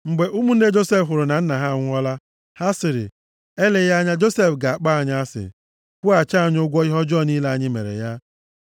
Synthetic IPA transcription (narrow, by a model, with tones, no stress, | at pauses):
ŋ͡m̩˨ɡ͡be˨ʔu˦mu˦n̩˦e˦d͡ʒo˦se˦fɦʊ˨ɾʊ˨na˨n̩˦na˨ɦa˦˨ŋʷ˦ɔ˦la˦ | ha˦sɪ˨ɾɪ̰˨ | e˦le˨ja˦ɲa˦d͡ʒo˦se˦fɡa˨a˨k͡pa˦a˨ɲa˦a˦sɪ̰˨ | kʷu˦a˨t͡ʃa˦a˨ɲ˦o˦ɡʷɔ˦i˦ɦɔ˦d͡ʒɔ˦˨ni˦la˦a˦ɲɪ˦mḛ˨ɾḛ˨ja˦